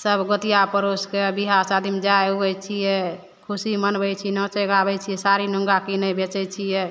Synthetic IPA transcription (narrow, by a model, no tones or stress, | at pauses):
səbɡət̪ijapəɾoskebiɦasad̪ʱimd͡ʒaeuəjt͡ʃʰijɛ | kʰusimənbɛjt͡ʃʰinɔt͡ʃəɡabɛt͡ʃʰijɛsaɾinəŋɡakinəjbet͡ʃɛjt͡ʃʰijɛ